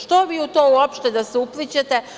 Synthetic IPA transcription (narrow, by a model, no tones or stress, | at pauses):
ʃt̪oʋiut̪oːuopʃt̪ed̪aseuplit͡ɕet̪e